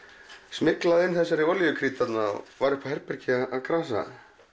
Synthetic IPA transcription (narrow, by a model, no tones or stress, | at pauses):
smɪklaðɪnːθɛsːaɾɪvɔljʏkʰɾiːt̪at̪na̰vaɾʏhpaɦɛɾpɛɾcɪaðaðkʰɾaːsa̰